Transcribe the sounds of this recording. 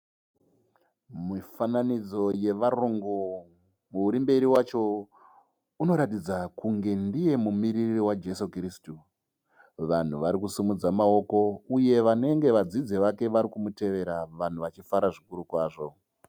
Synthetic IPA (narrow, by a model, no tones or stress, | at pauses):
mifananid͡zo̞je̞ʋaruŋɡu | muuɾimbe̞ɾiwat͡ʃo̞ | uno̞ɾatid͡zakuŋɡe̞ndije̞mumirirriwad͡ʒe̞sokristu | ʋan̤uʋaɾikusimud͡zamao̞ko̞uje̞ʋane̞ŋɡe̞ʋad͡zid͡zeʋake̞ʋaɾikumute̞ʋe̞ɾaʋan̤uʋat͡ʃifaɾaʐikuɾukwaːʐo̞